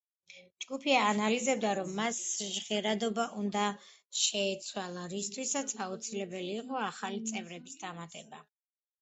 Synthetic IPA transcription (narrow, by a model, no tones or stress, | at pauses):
d͡ʒɡupʰiaːnalizɛb̚d̪aɾɔmːasʒʁɛɾad̪ɔbaʔund̪aʃɛːt̪sʰwalˠaɾist̪ʰwisat̪sʰaut̪sʰilɛbɛliːqʼɔaχalit̪sʼɛvɾɛbisd̪amat̪ʼɛba